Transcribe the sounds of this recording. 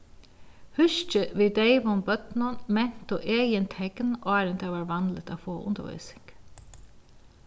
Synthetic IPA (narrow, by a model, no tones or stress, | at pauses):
hʏʃt͡ʃəʋiːd̪eɪʋʊmbœt̪nʊnmɛn̥t̪ʊʔeːjɪnt̪ʰɛknʔɑːɾənt̪ʰɛːʋaːɹʋɑnd̪lət̪a̰ːfoːʔʊ̰nd̪ə̰ʋœ̰ːsɪ̥ŋk